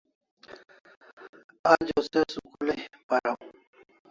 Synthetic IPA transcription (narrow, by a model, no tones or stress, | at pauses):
ad͡ʑosesukulepɐɾa